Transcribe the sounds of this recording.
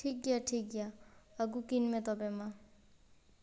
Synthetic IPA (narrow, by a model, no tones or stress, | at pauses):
ʈʰik̚ɡjaʈʰik̚ɡjaəɡukinmet̪ɔbema